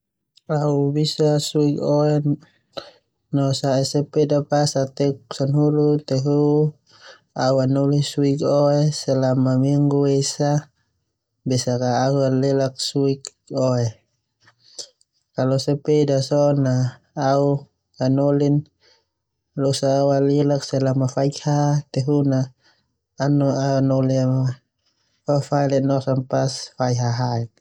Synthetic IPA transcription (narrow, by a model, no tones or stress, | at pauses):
aubisasuikoɛ | nɔsaɛsɛpedapasat̪ɛksanɦulut̪ɛɦu | auanɔlisuikɔɛsɛlamamiŋɡuesa | bɛsakaːualɛlak̚suik | ɔɛ | kalɔsapedasɔnaː | u | anolin | losaːualilaksɛlamafaikhat̪ɛɦunaː | nɔaunɔliama | fafailɛʔnɔsanpasfaiɦaɦaik̚